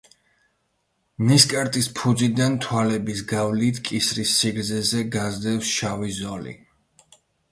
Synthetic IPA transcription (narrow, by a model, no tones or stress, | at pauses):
niskʼaɾt̪ʼispʰud̪zid̪ant̪ʰwalɛbisɡavlit̪ʰkʼisɾisːiɡɾd̪zɛzɛɡazd̪ɛfsʃavizɔlḭ